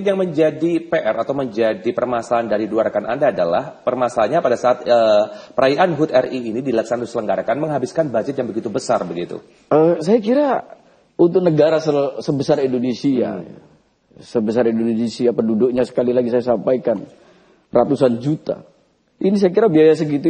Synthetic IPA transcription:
njaŋməɲd͡ʒadipeʔɛɾat̪awməɲd͡ʒadipərmasaːndaɾiduaɾakanʔa̰ndaːdala̰hpərmasaːnɲapadasaːt̪̚əpəɾajaʔanɦut̪ɛriːnidilaksanadosələŋɡaɾakanməŋɦabiskanbad͡ʒɪt̪̚jaŋbəɡit̪ubəsarbəɡit̪ṵ | əsajakiɾa | unt̪ʊk̚nəɡaɾasəsəbəsarindonesia̰ | səbəs̬aɾindononesiapədudʊk̚ɲasə̥kalilaɡisajasampajkan | rat̪usand͡ʒut̪a̰ | inis̬ajakiɾabiajas̬əɡit̪u

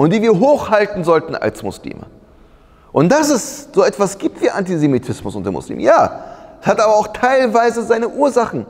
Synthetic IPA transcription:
ʔʊntd̥iːviːɐɦoːxhaltn̩zɔltn̩ʔa̰lsmʊslḭːmʔə̰ | ʔʊnt̚d̥as̬ɪstz̥oːɛtv̥asɡ̥iːp̚tv̥iːɐʔantizemitʰɪsmʊsʊntdemʊ̰slḭːmjaːʔshatʔaːbɐaʊxtʰaɪlvaɪzəzaɪnəʔuːɐzaχn̩

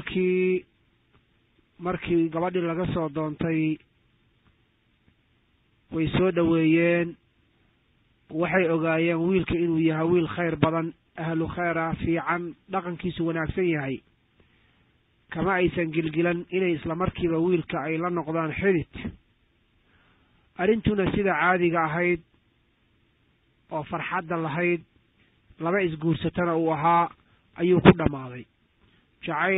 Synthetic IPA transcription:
kʰiː | mɐrkʰiːɡɐβɐɖilɐɣɐsɔːd̪ɔːnt̪ʰɛj | wɛjsɔːɖɐwɛːjɛːn | wɑħɑjɔɣaːjɛːnwiːlkʰɐɪnuːjɐɦɛjwiːlχɛjrbɐðɐn | ɐhlʊχɛjɾɐfiːʕɑnɖɑqɑŋkʰiːsʊwɑnaːɡsɐnjɐɦɛj | kʰɐmɐɛjsɐŋɡɪlɡɪlɐnɪnɛjɪslɐmɐrkʰiːβɐwiːlkʰɐɛjlɐnɔqðaːnħɪðɪt̪ | ʔɐɾɪnt̪ʰʊnɐsɪðɐʕaːðɪɣɐːɦɛjd̪ | ʔɔːfɑrħɑd̪ːɐlɐɦɛjd̪̚ | lɐβɐɪsɡuːrsɐt̪ʰɐnɐuːɐɦaː | ʔɐjuːkʰʊɖɐmaːðɛj | t͡ʃɑʕɑ

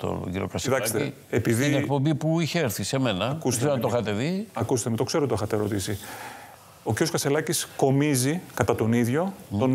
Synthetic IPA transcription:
t̪o̰ʝiɾokɐsit̪ɐkse̥t̪e | epiðinekpombipuiçeeɾθisemenɐɐkust̪ent̪oxɐt̪e̞ðiɐkust̪emut̪o̞kseot̪t̪oexɐt̪eɾot̪isi | o̞cʲiɾjoskɐse̞lɐcisko̞mizikɐt̪ɐt̪o̞niðʝo̞t̪on

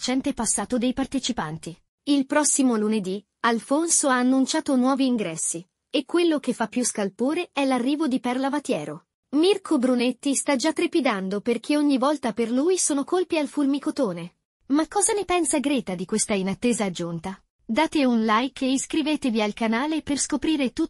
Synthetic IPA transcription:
t͡ʃɛnt̪epasːaːt̪od̪ejpart̪et͡ʃipant̪i | ilpɾɔsːimoluned̪i | alfonsoaːnːunt͡ʃaːt̪onwɔːviːŋɡɾɛsːi | ekːwelːok̟efːapːjuskalpoːɾeɛlarːiːvod̪ipɛrlavat̪jɛːɾo | mirkʰobɾunet̪ːist̪ad͡ʒat̪ːɾepid̪and̪operk̟ʰeoɲːivɔlt̪aperluːjsoːnokolpialfulmikot̪oːne | makːɔːzanepɛnsaɡɾeːt̪ad̪ikwest̪ainat̪ːeːzaːd͡ʒːunt̪a | d̪aːt̪eunlajkʰeiskɾiveːt̪evialkanaːleperskopɾiːɾet̪u

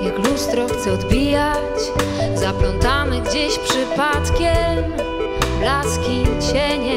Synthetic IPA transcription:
jaklust̪ɾɔxt̪sɛɔd̪bʲija | t͡ɕ | zaplɔnt̪amɘɡd͡ʑeɕpʂɘpat̪kʲɛm | blaskʲit͡ɕɛɲɛ

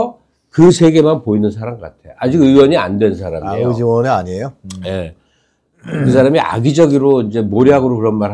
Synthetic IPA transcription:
ʌ | kɯsʰe̞ɡe̞manpoinɯnsʰaɾaŋɡʌk͈atʰe̞joad͡ʑiɡɯwʌɲia̰ndwe̞nsʰaɾamed͡ʑiwʌneaɲiejoje̞ | kɯs̬ʰaɾamiʔa̰ɡid͡ʑʌɡiɾoind͡ʑe̞moɾiɦaɡɯɾokɯɾʌnmaɾ

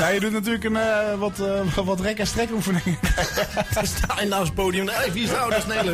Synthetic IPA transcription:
jajədutnat̬yːləkənəʋɔtʋɔtrɛkəstrɛkufənɪŋə | d̥stʰaːɪndaːspowdijəmdejvʋisdawdəsnelə

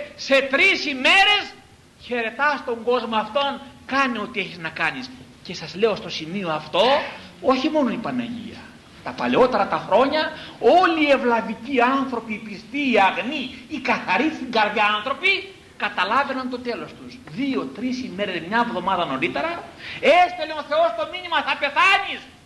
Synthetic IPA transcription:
se̞t̪ɾisime̞ɾe̞s | çe̞ɾe̞t̪ɐst̪o̞ŋɡo̞zmoɐft̪o̞ŋkɐnio̞t̪ie̞çiznɐkɐnis | ce̞sɐzle̞o̞st̪o̞simio̞ɐft̪o̞oçimo̞no̞ipɐnɐ̰ʝḭɐ̰ | t̪ɐpɐleo̞t̪e̞ɾɐt̪ɐxɾo̞ɲɐoliːe̞vlɐviciɐnθɾo̞piːpist̪iːɐɣniːkɐθɐɾist̪iŋɡɐɾðʝɐɐnθɾo̞pi | kɐt̪ɐlɐve̞nɐnt̪o̞t̪e̞lo̞st̪uzðio̞t̪ɾisime̞ɾe̞zmɲɐevðo̞mɐðɐno̞ɾit̪e̞ɾɐe̞st̪eleo̞θe̞o̞st̪o̞minimɐθɐpe̞θɐnis

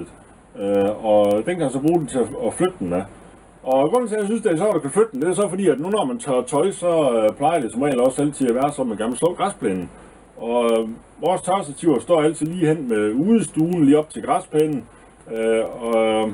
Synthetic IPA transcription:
øɒ̽d̥enkʰæmænsɒ̽b̥ʁṵːd̥en̩t͡sʰe̝æɒflød̥̚d̥enmæ | ɒ̽ɡ̥ʁɔn̰t͡sʰe̝jasynsd̥eæɕ̬jɒ̰d̥ɑkʰæflød̥̚d̥en̩d̥e̝æɐsɒ̽fɒ̽dḭːæd̥nunɒmænt͡sʰɑt͡sʰɒ̽ɪsɒ̽pʰlɑ̈ɪɐd̥e̝sɒ̽mʁɛ̰ːldɒ̽sæl̰t͡sʰiðˠæʋæːɐsɒ̽meɡ̥æml̩slɒɡ̥ʁɑspʰlɛ̰ːnn̩ | ɒ̽ | ʋɒːst͡sʰɑsæt͡sʰiʊ̰ɐsd̥ɒ̰ːæl̰t͡sʰið̩ˠliːɦen̰meuːð̩ˠsd̥uːn̩liːɒ̽b̥̚t͡sʰe̝ɡ̥ʁɑspʰeːnn̩ | øɒ̽

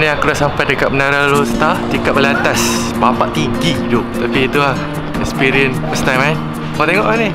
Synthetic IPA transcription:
nĩakudaʔsampajdəkaʔ̚mənaɾalost̪atikap̚əliat̪as | bapaʔt̪iŋɡid͡ʒot̪apiːt̪ulah | ɛkspiɾiənfəst̪ajman | ɔt̪eɛŋɔʔmanĩ

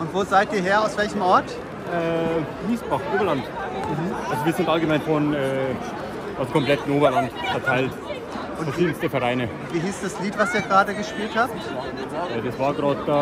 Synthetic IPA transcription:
ʔʊntv̥oːzaɪtʔiːɐɦeːɐaʊsv̥ɛlçəmʔɔɐt | ʔɛːɡ̥iːsb̥aχʔoːbɐlant | m̩hm̩ʔalzoviːɐzɪntʔalɡəmaɪnfɔnɛː | ʔalzokʰɔmplɛtn̩ʔoːbɐlantfɛɐtʰaɪlt | ʔfʊnɐiːən̩sd̥əfɛɐʁaɪnəʊntv̥iːɦiːsd̥asliːtv̥asiːɐɡʁaːdəɡəʃpiːlthaːptː | jɛːdasv̥aːɐɡʁaːt̚d̥aː

